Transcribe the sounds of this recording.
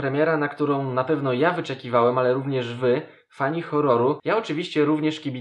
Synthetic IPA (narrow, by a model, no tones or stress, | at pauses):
pɾɛmʲjɛɾanakt̪uɾɔ̃w̃napɛvn̪ɔjavɘt͡ʂɛkʲivawɛmalɛɾuvɲɛʐvɘ | faɲixɔɾɔɾujaɔt͡ʂɘvʲiɕt͡ɕɛɾuvɲɛʂkʲibʲi